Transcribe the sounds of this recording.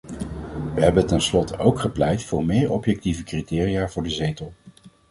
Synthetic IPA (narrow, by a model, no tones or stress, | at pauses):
ʋəɦɛbətɛnslɔtʰəowkχəplɛjtfʊːɹmɪːɹɔpjɛk̚tivəkritɪːrijaːvʊːɹdəzejtəlˠ